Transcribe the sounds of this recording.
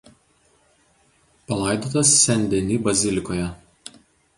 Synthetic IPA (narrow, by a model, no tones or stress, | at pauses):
pɐlˠɐˑɪd̪oːt̪ɐsːʲɛnʲd̪ʲɛnʲiːbɐzʲɪlʲɪkoːjɛ